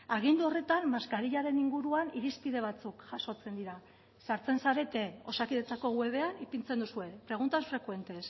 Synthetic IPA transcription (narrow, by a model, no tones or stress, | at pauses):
aɣ̞ind̪uo̞re̞t̪anmaskaɾiʎaɾe̞niŋɡuɾuaniɾispiðe̞β̞at͡sukʝaso̞t͡se̞nd̪iɾa | saɾt͡se̞nsaɾe̞t̪e̞o̞sakiðet͡sako̞ɣue̞βe̞anipint͡se̞nd̪usue̞pɾe̞ɣ̞unt̪aosfɾe̞kwe̞nt̪e̞s